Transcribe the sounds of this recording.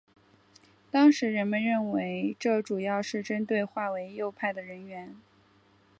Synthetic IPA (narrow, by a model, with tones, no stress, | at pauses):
t̪ɑ˥ŋʂɻ̩˧˥ɻə˧˥nmə˧nɻə˥˩nwe˧˥ɪʈ͡ʂɤ˥˩ʈ͡ʂu˨˩jɑ˥˧ʊʂɻ̩˥˩ʈ͡ʂə˥nt̪we˥˧ɪxwa˥˩we˧˥ɪjo˥˧ʊpʰa˥˩ɪd̪ə˩ɻə˧˥nɥɛ˧˥n